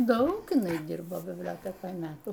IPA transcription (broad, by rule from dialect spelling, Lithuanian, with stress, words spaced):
ˈdɐʊk ɪˈnɐɪ ˈdʲɪrboː bʲɪbʲˈlʲoːtʲɛkoːj ˈmʲæːtuː